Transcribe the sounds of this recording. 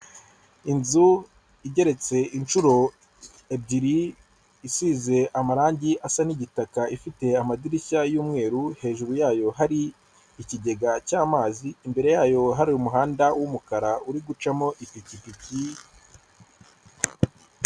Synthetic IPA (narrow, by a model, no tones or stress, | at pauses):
inzu | iɟe̞ɾe̞t͡se̞ʔint͡ʃuɾo̞ | ebɟiɾiː | siːze̞ʔamaɾaːɲɟiʔasaniɟitakaifite̞amadiɾiçajuːmŋe̞ːɾuhe̞ːʒuɾujaːjo̞ɦaɾiː | ciɟe̞ɡacaːmaːziːmbe̞ɾe̞jaːjo̞ɦaɾiumuɦaːndawumukaɾauɾiɡut͡ʃamo̞ʔipicipici